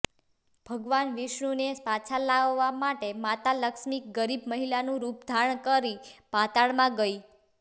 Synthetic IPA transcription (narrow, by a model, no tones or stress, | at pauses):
b̥ʱəɡʋanʋiʃɳunespat͡ʃʰalaʋːamaʈemat̪aləkʃmik̚ɡəɾibʱməɦilanũɾupd̪ʱaɳkəɾipat̪aɭmãɡəi